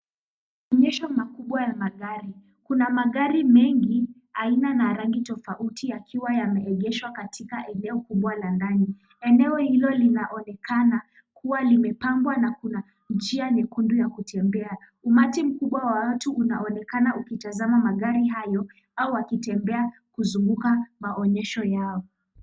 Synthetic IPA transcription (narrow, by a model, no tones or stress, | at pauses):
ɔɲɛʃɔmakuɓwajamaɠaɾi | kunamaɠaɾimɛŋɡi | ainanaɾaŋɡitɔfautʰijakʰiwajamɛːɠɛʃwakatʰikaʔɛnɛɔkuɓwalandani | ɛnɛɔhilɔlinaʔɔnɛkana | kuwalimɛpambwanakuna | nd͡ʒianɛkundujakutʰɛmbɛa | umatim̩kuɓwawawatuʔuna̰ɔnɛkanaukitazamamaɠaɾiɦajɔ | auwakitɛmbɛa | kuzuŋɡukamaʔɔɲɛʃɔjaɔ